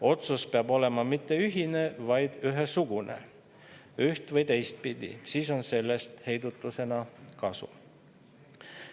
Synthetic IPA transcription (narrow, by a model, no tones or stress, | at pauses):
o̞t̪suspeɑbo̞le̞mɑmit̪ːe̞yɦine̞vɑjd̪̥yɦesuɡ̥unḛ | yht̪vɤjt̪e̞jst̪̚pid̪̥ḭsiːso̞nse̞lːe̞st̪he̞jd̪ut̪ːˑuse̞nɑkɑsṵ